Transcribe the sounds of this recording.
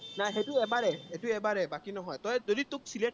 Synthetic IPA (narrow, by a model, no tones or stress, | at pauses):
najɦetuɛbaɹɛetuɛbaɹɛbakinɔɦɔjtɔjzoditʊk̚sile